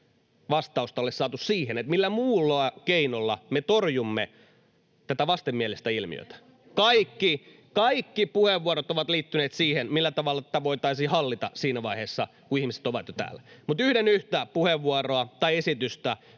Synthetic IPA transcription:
ʋɑst̪ɑust̪ɑolːessɑːt̪ussiːhenet̪milːæmuːlːoɑkeinolːɑmet̪orjumːe | t̪æt̪æʋɑst̪emːiælest̪æilmḭø̰t̪æ̥ | kɑikːi | kɑikːipuheʋːuɑɾot̪oʋɑt̪liːt̪ːyneːt̪siːhenmilːæt̪ɑʋɑlːɑt̪æt̪æʋoit̪ɑisiːhɑlːit̪ɑsiːnæʋɑiheːsːɑkuihmise̥t̪oʋɑt̪jot̪æ̰ːlːæmut̪yhdenyht̪æpuheʋːuɑroɑt̪ɑiesit̪yst̪æ

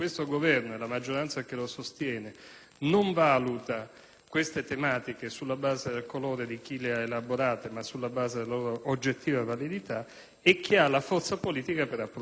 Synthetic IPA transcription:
kwest̪oɡovɛrnoelamad͡ʒːoɾant̪sak̟elosost̪jɛːne | noɱvaːlut̪a | kwest̪et̪emaːt̪ikesulːabaːzed̪elkoloːɾed̪ik̟ileaelaboɾaːt̪emasːulːabaːzed̪elaloɾoʔod͡ʒːet̪ːiːvavalid̪it̪a | ɛk̟ːialafɔrt̪sapoliːt̪ikapeɾapːɾ

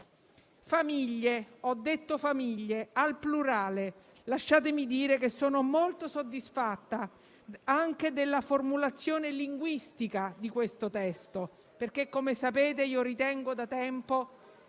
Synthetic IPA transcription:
famiʎːeɔd̪ːet̪ːofamiʎːealpluɾaːle | laʃːaːt̪emid̪iːɾekesːoːnomolt̪osod̪ːisfat̪ːa | aŋk̟ed̪elːaformulat̪sːjoːneliŋɡwist̪ikad̪ikwest̪ot̪ɛst̪o | perk̟ekːomesapeːt̪eiːoɾit̪ɛŋɡod̪at̪ɛmpo

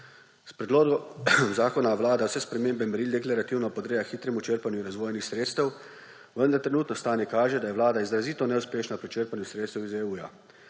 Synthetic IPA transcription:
spɾɛd̪loːɡɔzaːkɔnaʋlaːd̪awsɛspɾɛmeːmbɛmɛɾiːlʲd̪ɛklaɾat̪iːwnɔpɔd̪ɾeːjaxiːt̪ɾɛmut͡ʃəɾpanjuɾazʋoːjnixsɾeːt̪st̪ɛw | ʋənd̪aɾt̪ɾɛnuːt̪nɔst̪aːnjɛkaːʒɛd̪ajɛʋlaːd̪aizɾaziːt̪ɔnɛwspeːʃnapɾit͡ʃəɾpanjusɾeːt̪st̪ɛwizeuːja̰

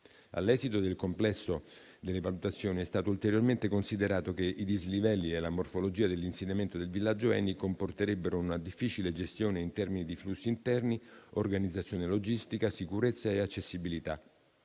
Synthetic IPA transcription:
a̰lːɛːzit̪od̪elkomplɛsːo | d̪elːevalut̪at̪sːjoːniɛst̪aːt̪oult̪eɾjorment̪ekonsid̪eɾaːt̪okeʔid̪izlivɛlːielamorfolod͡ʒiːad̪elːinsenːament̪od̪elvilːad͡ʒːoɛ̰nːikomport̪eɾebːeɾounad̪ifːit͡ʃiled͡ʒest̪joːneint̪ɛrminid̪iflusːiːnt̪ɛrniorɡanid̪zːat̪sːjoːnelod͡ʒist̪ikasikuɾet̪sːaeat͡ʃːesːibilit̪a̰

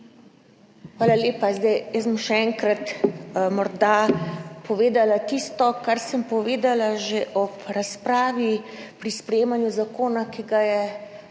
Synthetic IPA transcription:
xʋaːlaleːpazd̪ajjɛsbəmʃɛɛŋkɾat̪mɔɾd̪apʰɔʋeːd̪alat̪ist̪ɔkaɾsəmpɔʋeːd̪alaʒeʔɔpɾaspɾaːʋipɾispɾɛjeːmanjuzakoːnakiɡajɛ

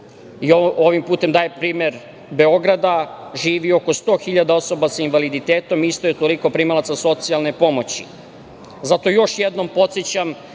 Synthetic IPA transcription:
ioʋimpuːt̪e̞md̪aːjepɾiːme̞ɾ | be̞o̞ɡɾad̪aʒiːʋio̞ko̞st̪o̞ːxiʎad̪ao̞so̞basainʋalid̪it̪eːt̪o̞mist̪ojet̪o̞liko̞pɾimalat̪saso̞t̪sialˠnepo̞mo̞t͡ɕḭ | zat̪o̞jo̞ʃjed̪no̞mpo̞t̪set͡ɕam

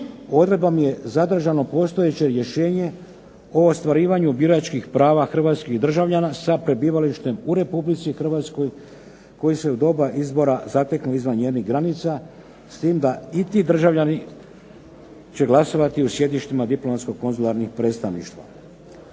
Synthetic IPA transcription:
o̞d̪ɾe̞d̪bamje̞zad̪r̩ʒano̞po̞ːst̪o̞je̞t͡ɕe̞ɾje̞ʃe̞ːɲe̞ | o̞ːst̪ʋaɾiːʋaɲubiɾoat͡ʃkixpɾaːʋaxr̩ʋaːt̪skixd̪r̩ʒaʋʎanasapɾe̞biːʋaliʃt̪e̞muɾe̞publit̪sixr̩ʋaːt̪sko̞j | ko̞jise̞ud̪o̞ːbaʔizbo̞ɾazat̪eknuizʋanɲeːniɦɡɾanit̪sa | st̪iːmd̪ait̪id̪r̩ʒaʋʎani | t͡ɕe̞ɡlˠaso̞ʋat̪iusje̞d̪iʃt̪imad̪iplˠo̞mat̪sko̞ko̞nzulˠaɾnixpɾe̞ːt̪st̪aʋnḭʃt̪ʋa̰

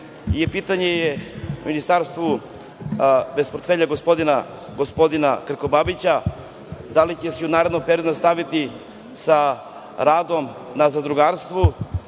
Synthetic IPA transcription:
jepiːt̪aɲe̞jeminist̪aːɾst̪vu | be̞spoɾt̪feʎaɡospo̞d̪ina | ɡo̞spo̞d̪ina̰kɾ̩ko̞babit͡ɕa | d̪alit͡ɕesɛunaːɾe̞d̪nompe̞ɾio̞d̪uast̪aʋit̪i | sa | ɾaːd̪o̞mnazad̪ɾuɡaːɾst̪ʋu

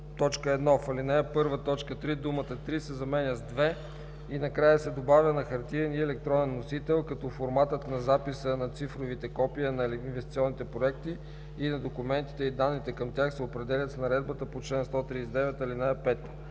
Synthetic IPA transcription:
t̪ɔt͡ʃkəɛd̪nɔfɐlinaɛpɤɾvət̪ɔt͡ʃkət̪ɾid̪umət̪ət̪ɾisɛzɐmɛnʲəzd̪vɛ | inɐkɾajəsɛd̪obavʲjənɐxɐɾt̪iɾɛniɛlɛk̚t̪ɾɔnɛnːosit̪ɛlˠkɐt̪ɔfoɾmat̪ət̪nɐzapisənɐt̪sifɾovit̪ɛkɔpiənɐinvɛst̪i̥t̪siɔnːit̪ɛpɾoɛkt̪iː | nɐd̪okʊmɛnt̪i̥t̪ɛid̪anːit̪ɛkɐmt̪ʲjaxsɛopɾɛd̪ɛlʲɐt̪snɐɾɛd̪̚bət̪əpot͡ʃlɛnst̪ɔt̪ɾisɛd̪ɛvɛt̪ɐlinaɛpɛt̪ː

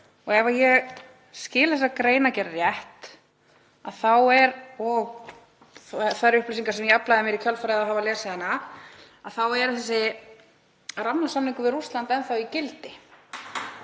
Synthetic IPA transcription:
ɔɣɛvaɾjɛɣ | scɪːlθɛsːakɾeːjnacɛɾrjɛht̪ | aðθawɛɾɔɣ | θaɾʏhplʏsiŋkasɛmjɛaplajðɪmjɛɾikʰœlfɾaðaɦaːvalɛːsaɛnːa | aðθawɛɾθɛs̬ːɪ | ramnasamniŋkʏvɪðrust̪lant̪ɛnθawicɪlt̪ɪ

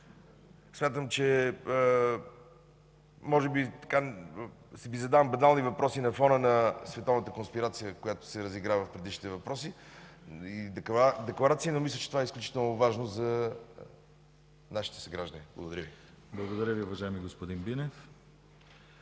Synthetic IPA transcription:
smʲjat̪əmt͡ʃɛ | mɔʒɛbit̪ɐ̥ka | sɛbizɐd̪avəmbɐnalˠnivɐpɾʔɔsinɐfɔnənɐsvɛt̪ɔvnət̪əkonspiɾat̪sijəkojat̪ʊ̥sɛɾəziɡɾavəfpɾɛd̪iʃni̥t̪ɛvɐpɾɔsi | id̪d̪ɛklˠɐɾat̪siənomislʲət͡ʃɛt̪ovaɛisklʲut͡ʃi̥t̪ɛlˠnovaʒnozɐ | naʃi̥t̪ɛ̥sɐɡɾaʒd̪ənibl̰ˠɡod̪ɐɾʲəvi | blˠɐɡod̪ɐɾʲəviʊvɐʒaɛmiɡospod̪inbinɛf

